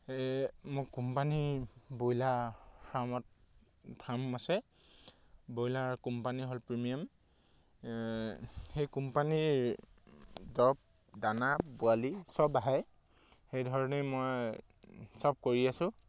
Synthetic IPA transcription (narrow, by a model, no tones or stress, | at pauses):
ɛmʊkumpanibojlasɹamɔt̚ | dʰamasɛ | bojlaɹkumpaniɦolpɹimijam | xejkumpaniɹ | dɔp̚ | danabʊalisɔbaɦɛj | xejdʱɔɹɔnemoj | sɔb̚koɹiasʊ̃